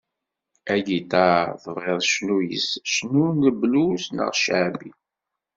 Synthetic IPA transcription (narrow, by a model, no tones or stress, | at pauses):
æɡit̪ɑθvʁeðˤʃnujə̰sʃnunəblusnə̰ʁʃʕbi